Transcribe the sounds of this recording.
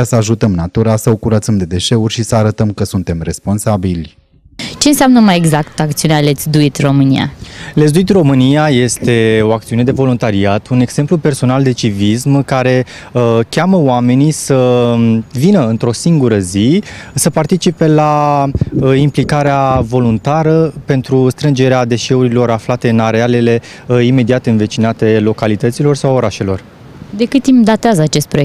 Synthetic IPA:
asəaʒut̪əmnat̪uɾasəo̞kuɾət̪səmd̪e̞d̪e̞ʃe̞urʲʃisəaɾət̪əmkəsunt̪e̞mre̞spo̞nsabilʲ | t͡ʃe̞nseamnəmaje̞ɡzakt̪akt̪siunealet̪sd̪uit̪ʲro̞mɨnḭa̰les̬d̪uit̪ʲro̞mɨnijaje̞st̪e̞o̞ak̚t̪siune̞d̪e̞vo̞lunt̪aɾiat̪ʰune̞ɡse̞mplupe̞rso̞nald̪e̞t͡ʃivismkaɾe̞ | kʲaməoame̞nisə | vinəɨnt̪ɾo̞siŋɡuɾəzisəpart̪it͡ʃipe̞la | implikaɾeavo̞lunt̪aɾəpe̞nt̪ɾust̪ɾɨnd͡ʒe̞ɾead̪e̞ʃe̞uɾilo̞ɾaflat̪e̞ɨnaɾeale̞le̞ | ime̞d̪iat̪eɨnve̞t͡ʃinat̪e̞lo̞kalit̪ət̪silo̞rsawo̞ɾaʃe̞lo̞̰r | d̪e̞kɨt̪imd̪at̪eazəat͡ʃe̞st̪̚pɾoe

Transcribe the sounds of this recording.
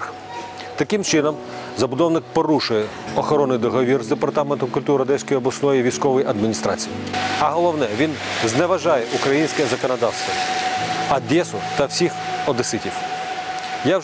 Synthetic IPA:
t̪ɐkɪmt͡ʃɪnɔm | zɐbʊd̪ɔwnɪk̚pɔɾuʃʊjɛ | ɔxɔɾɔnːɪjd̪ɔɦɔʋʲirzd̪epɐrt̪ɑment̪ɔmkʊlʲt̪uɾɐd̪ɛsʲkɔjɔblˠɐsnɔjiʋʲijsʲkɔʋɔjiʔɐd̪mʲinʲist̪ɾɑ̰t͡sʲijiɐɦɔlˠɔwnɛʋʲinznɛʋɐʒɑjɛʔukɾɐjinʲsʲkɛzɐkɔnɔd̪ɑwst̪ʋɐ | ɐd̪ʲɛsʊt̪ɐwsʲix | ɔd̪esɪtʲiw | ja

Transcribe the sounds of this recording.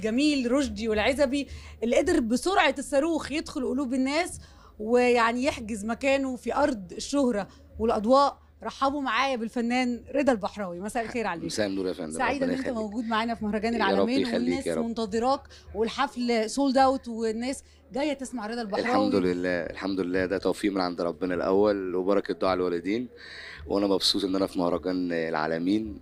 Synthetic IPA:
lɡæmiːlɾoʒd̪iwelʕezæbiʔelːiʔed̪eɾbesoɾʕɑesːæɾuːxjed̪xolʔoluːbenːæːs | wejaʕnijeħɡezmækæːnofiʔɑɾˤd̪ˤeʃːohɾɑ | welʔɑd̪ˤwɑːʔ | ɾˤɑħːɑbumaʕaːjæbelfænːæːnɾed̪ælbɑħɾˤɑːwimæsæʔælxeːɾʕaleːsʔd̪uɾfnsaʕiːd̪ænʔent̪æmæwɡuːd̪maʕaːnæfimohɾˤɑɡæːnelʕaːmeːwenːæːsmont̪ɑðˤeɾˤɑːt̪ | welħaflsuːld̪æwt̪wenːæːs | ɡæjːæt̪esmaʕɾed̪ælbɑlˤħɑamd̪lelːæːḛlħamd̪olelːæːd̪æt̪æwfiːʔmenʕand̪ɾˤɑbːenɑlʔæ̰wːælwebɑɾˤɑked̪oʕelwælæd̪iːn | wʔænæmɑbsuːt̪ʔenːʔænæfimohɾˤɑɡæːnelʕa̰ːlæmiːn

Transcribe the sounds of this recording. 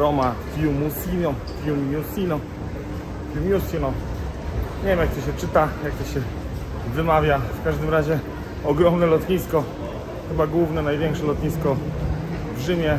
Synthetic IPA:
ɾɔmatjumusinɔ | t̪jumusinɔ | t̪jumʲjusinɔ | ɲɛvʲjɛmjak̚t̪ɔɕɛt͡ʂɘt̪ajak̚t̪ɔɕɛ | vɘmavʲjafkaʐd̪ɘmɾaʑɛ | ɔɡɾɔmnɛlɔt̪ɲiskɔ | xɘbaɡwuvnɛnajvʲjɛŋkʂɛlɔt̪ɲiskɔ | vʐɘmʲjɛ

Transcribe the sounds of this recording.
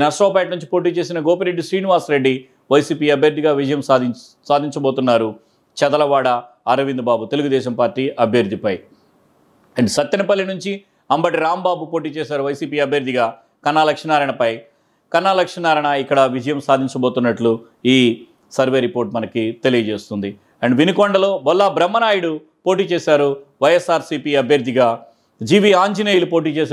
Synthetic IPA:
nɐʂʈoːpaːʈnuɲt͡ʃi̥po̞ːʈ̬iːt͡ʃe̞ːsinɐɡɔːpɐɾeɖːiʃɾiːniʋaːsɾe̞ɖːi | ʋɐjsiːpiːɐbʱjɐɾd̪ʱiɡaːʋid͡ʒɐjɐm | saːd̪ʱiɲt͡ʃɐboːt̪unːaːɾu | t͡ʃɐd̪ɐlɐʋaːɽɐː | ɾɐʋind̪ɐbaːbut̪e̞luɡud̪ɛːʃɐmpaːɾʈːiːʔɐbʱjɐɾd̪ʱipɐj | ɐɳɖsɐt̪ːɐnipɐlːinuɲt͡ʃi | ɐmbɐʈiɾaːmbaːbupo̞ːʈiːt͡ʃɛːsaːɾuʋɐjsiːpiːɐbʱjɐɾd̪ʱiɡaː | kɐnːaːlɐkʂɐnaːɾɐɳɐpɐj | kɐnːaːlɐkʂɐnaːɾɐɳɐikːɐɽɐʋid͡ʒɐjɐmsaːd̪ʱiɲt͡ʃɐboːt̪unːɐʈlu | iː | sɐɾʋeːɾipoːɾʈmɐnɐkit̪e̞lijɐt͡ʃeːst̪und̪i | ɐɳɖʋinikoɳɖɐlo̞ːbɔlːabɾɐmːɐnaːjuɽu | po̞ːʈiːt͡ʃeːsaːɾuʋɐjesaːɾsiːpiːɐbʱjɐɾd̪ʱːiɡaː | d͡ʒiːʋiːaːɲd͡ʒinejlupo̞ːʈ̬iːt͡ʃeːs

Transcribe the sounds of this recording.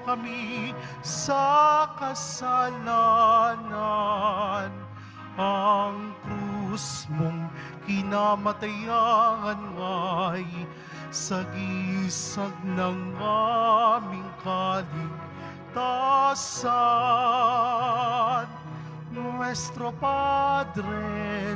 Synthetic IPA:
kɐmi | sɐkɐsalana | n | ɐŋkɾusmoŋ | kɪnaːmɐt̪ɐjaŋɐnŋɐj | sɐɡisɐɡ̚nɐŋːamɪŋkalɪɡ | t̪asa | n | mwɛst̪ɾopad̪ɾɛɛ

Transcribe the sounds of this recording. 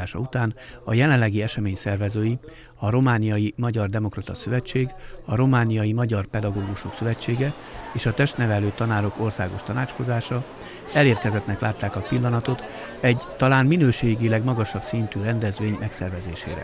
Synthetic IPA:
aːʃɒ̰ut̪aːnɒjɛlɛnlːɛɡiɛʃɛmeːɲsɛrvɛzøːji | ɒɾo̞maːnijɒjimɒɟɒrd̪ɛmo̞krɒt̪ɒsøvɛt͡ʃːeːɡɒɾo̞maːnijɒjimɒɟɒrpɛd̪ɒɡoːɡuʃo̞ksøvɛt͡ʃːeːɡɛ | eːʃɒt̪ɛʃt̪nɛvɛløːt̪ɒnaːɾo̞ko̞rsaːɡo̞ʃt̪ɒnaːt͡ʃko̞zaːʃɒ | ɛleːrkɛzɛt̪nɛklaːt̪ːaːkɒpilːɒnɒt̪o̞t̪ | ɛɟt̪ɒlaːnminøːʃeːɡilɛɡmɒɡɒʃɒbsint̪yːrɛnd̪ɛzʋeːɲmɛksɛrvɛzeːʃḛːɾɛ̰

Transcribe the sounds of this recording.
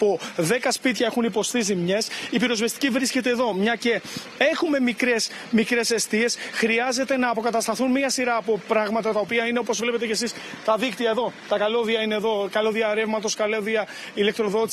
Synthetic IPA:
poðe̞kɐspit̪çɐe̞xunipo̞st̪is̬imɲe̞sipiɾo̞zvest̪icivɾisce̞t̪e̞ːðo̞mɲɐce̞ | e̞xume̞mikɾe̞s | mikɾe̞se̞st̪ie̞sxɾiɐze̞t̪e̞nɐːpo̞kɐt̪ɐst̪ɐθunmiɐsiɾɐːpo̞pɾɐɣmɐt̪ɐt̪ɐopiɐine̞o̞po̞zvle̞pe̞t̪e̞cesis | t̪ɐðikt̪iɐeðo̞t̪ɐkɐloðiɐine̞ːðo̞kɐloðiɐɾe̞vmɐt̪o̞skɐloðiɐ | ile̞k̚t̪ɾo̞ðo̞t̪i

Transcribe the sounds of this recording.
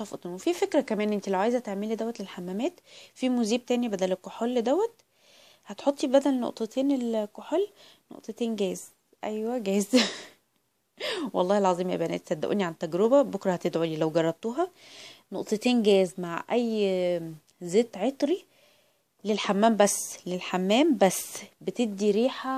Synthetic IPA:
ʃɑfɑt̪ˤinwefifekɾækæmæːnʔent̪ilæwʕajezæt̪eʕmelid̪æwːæt̪lelħamːæmæːt̪fimuziːb̚t̪æːnibæd̪ælekːoħolːed̪æwːæt̪ | hæt̪ħot̪ˤːibæd̪ælno̰ʔt̪ˤɑt̪eːnelkːoħol | no̰ʔt̪ˤet̪eːnɡæːz | ʔæjwæɡæz | wɑlˤːɑːhelʕɑzˤiːmjæ̰bænæ̰ːt̪sæd̪ːæʔṵːniʕant̪ːæɡɾobæbokɾˤɑhæt̪ed̪ʕolilæwɡɑrˤːɑb̚t̪uːɦɑnoʔt̪ˤet̪eːnɡæːzmaʕʔæjː | zeːt̪ʕet̪ˤɾi | lelħamːæːmbæsːlelħamːæːmbæsːbet̪eb̚d̪iɾiːħæ

